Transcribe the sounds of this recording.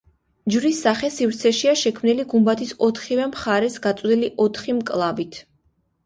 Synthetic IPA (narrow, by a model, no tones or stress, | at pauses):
d͡ʒɾisːaχɛsivɾt̪sʰɛʃiaʃɛkʰmniliɡumbat̪ʰisɔt̪ʰχivɛmχaɾɛsɡat̪sʼwd̪iliʔɔt̪ʰχimkʼlˠavit̪ʰ